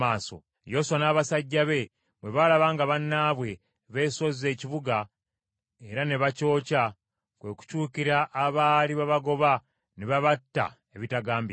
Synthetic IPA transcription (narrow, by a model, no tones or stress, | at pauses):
aːso̰ | jo̞swanaːβasaɟːaβe̞ | βwe̞βalaβaːŋɡaβanːaːβwe̞ | βe̞ːso̞zie̞ːciβuɡa | e̞ɾane̞βaco̞ːca | kwe̞ku̥cuːkiɾaʔːβaːliβaβaɡo̞βa | neβaβatːa̰ | eβitaɡaːmbi